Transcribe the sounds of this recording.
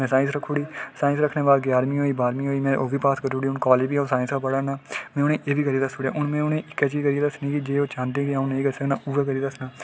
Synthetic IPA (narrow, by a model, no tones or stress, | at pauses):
mɛ̃ːsaːɪnsɾəkʰːuːɽiːsaːɪ̃nsɾəkʰneːbaːlɡjaːɾmĩːɦoːiːbaːɾmĩːɦoːiːmɛ̃ːʔoːʋiːpaːskəɾuːɽiːʊnkɔːleːbiːaːũsaːɪ̃nsaːpəɽaːnaːmɛ̃ːʊnẽːʔeːʋiːkəɾiːd̪əsuːɽḛːʔʊɳmɛ̃ːʊnẽːʔɪkːɛːt͡ʃiːkəɾieːd̪əsnĩːkɪd͡ʒeːoːt͡ʃãːnd̪ẽːkɪaːʊ̃nːẽĩɡəsenãːuːʋɛːkəɾiːd̪əsnaː